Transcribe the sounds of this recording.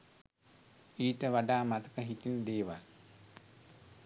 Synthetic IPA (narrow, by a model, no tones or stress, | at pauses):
iːʈəʋaɖaːmat̪əkəɦitind̪eːʋal